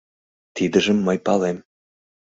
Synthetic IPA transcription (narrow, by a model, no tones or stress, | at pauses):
t̪id̪ə̆ʒə̆mːəjpɑlem